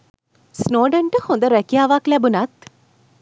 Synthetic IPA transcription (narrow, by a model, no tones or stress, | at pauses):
snoːɖɐɳʈəhond̪əɾɛkijaːʋaklɛbunɐt̪